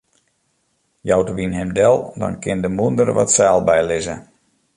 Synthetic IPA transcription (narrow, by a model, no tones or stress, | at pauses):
jawtəʋinɦɛmdɛlˠdɔ̰nkɪndəmundərʋɔ̰tsaːlˠbɛjlɪzə